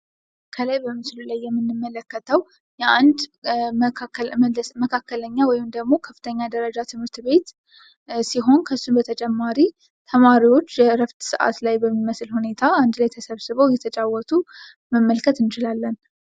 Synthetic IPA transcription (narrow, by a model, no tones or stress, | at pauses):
kʰəlajbəmɨslulajːɛmːɨnːɨmːələkːət̪ʰəw | jɛʔand̪ | akːəlməkʰakːələɲːawɔjɪmd̪əɡmo̞kʰəfːɨt̪ʰəɲːad̪əɾəd͡ʒat̪ʰɨmhɨɾt̪βe̞t̪ | siɦo̞nkʰəsːunbət̪ʰət͡ʃʼɛmːaɾi | t̪ʰəmaɾiwo̞t͡ʃːjɛɾəft̪sɨʔa̰t̪lajbəmːiməsɨlhune̞t̪ʰaand̪lajt̪ʰəsəβsɨβəwjɛt̪ʰət͡ʃʼawːɔt̪ʰu | məmːəlkʰət̪ɨnt͡ʃɪlalːən